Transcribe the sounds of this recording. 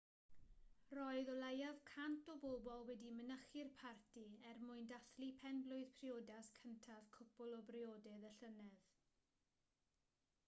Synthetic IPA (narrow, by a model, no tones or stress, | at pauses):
rɔɨðɔlˠajaðkʰantɔbobɔlˠwɛdimənəχɪrpʰartʰiɛrmʊɨndaθlipʰɛnblˠʊɨð̥pʰrioːdaskʰəntʰað̥kʰʊpʊlˠɔbrioːdɛðəɬənɛð